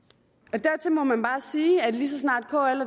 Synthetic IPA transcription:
ɒ̽d̥æɐ̰t͡sʰe̝mɒ̽mænb̥ɑ̈ːsiːædelis̬ɒ̽snɑ̰̈ːd̥̚kʰɒ̰ːælɐ

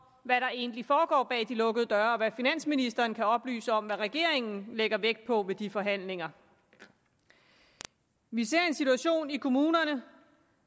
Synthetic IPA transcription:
ʋæɾɑ̈e̝ːnlifɒːɡ̥ɒ̰ːb̥ɛ̰ːd̥ilɔ̽ɡ̥əð̞̩ˠəd̥ɶɐɒ̽ʋæfinæn̰sminisd̥ɐːnkʰæɒ̽b̥ly̰ːsəɒ̽m̰ʋæʁɛɡ̥e̝̰ɐeŋn̩leɡ̥ɐʋeɡ̥̚d̥̚pʰɒ̽ʋe̝d̥ifɒ̽ɦæn̰le̝ŋɐ | ʋise̝ɐ̰e̝nsit͡sʰuæɕo̝̰ːnikʰo̝muːnɐnə

